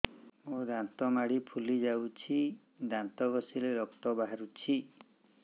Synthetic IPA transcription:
mod̪ant̪ɔmaɽipʰulid͡ʒawt͡ʃʰi | d̪ant̪ɔɡɔsileɾɔkt̪ɔbaɦaɾut͡ʃʰi

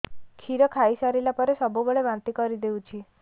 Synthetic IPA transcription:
kʰiɾəkʰaisaɾilapɔɾesɔbubəɭeʋãnt̪ikɔɾid̪eũt͡ʃʰi

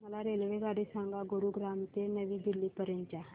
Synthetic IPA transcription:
məlaɾelʋeɡaɽisãŋɡaɡuɾuɡɾamt̪enəʋiːd̪ilːiːpəɾjəɲt͡ɕa

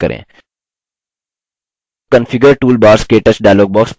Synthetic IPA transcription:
kə̰ɾʔḛ̃ː | kənfʰiɡəɾʈuːlbaːɾskeːʈəsɖaːjloːɡ̚bɔːks

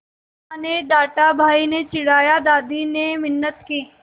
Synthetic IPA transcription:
aned̪aːʈabʱaːinet͡ʃɪɽaːjad̪aːd̪inemɪnːət̪keː

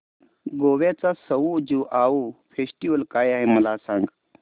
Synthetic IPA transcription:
ɡoʋat͡sasəʋud͡ʒiʔaufesʈiʋəlkajaɦeməlasãŋɡ

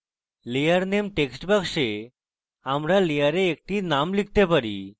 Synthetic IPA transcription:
lejəɾnemʈeksʈbəkʂe | amɾalijəɾeːk̚ʈinamlik̚t̪epəɽḭ

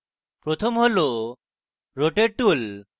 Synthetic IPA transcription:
pɾot̪ʰomɦolo | ɾoʈeʈul

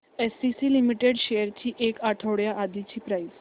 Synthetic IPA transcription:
esɖisilimiʈeɽɕejəɾt͡ɕiːʔekaʈʰəʋɽjaʔad̪it͡ɕiːpɾais

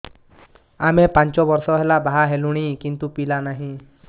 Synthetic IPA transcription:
amepaɲt͡ʃɔbɔɾsɔɦelabaɦaɦeluɽ̃ikint̪upilanaɦĩ

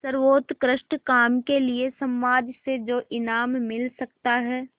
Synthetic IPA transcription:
sɐɾʋoːt̪kɾəʃʈkaːmkeliesɐ̃mːaːd̪sed͡ʒoːʔɪnaːmːɪlsɐk̚t̪aɦɛː

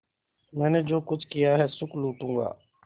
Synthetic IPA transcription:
mɛ̃ːneːd͡ʒoːkʊt͡ʃʰkɪjaːɦɛːsʊkluːʈũːŋɡa̰ː

